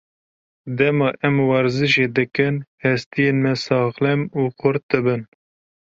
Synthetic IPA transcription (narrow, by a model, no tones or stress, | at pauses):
d̪ɛmɑːʔɛmwɑɾzɨʃeːd̪ɨkɨnhɛst̪ijeːnmɛsɑːχlɛmuːqʊɾt̪̚d̪ɨbɨn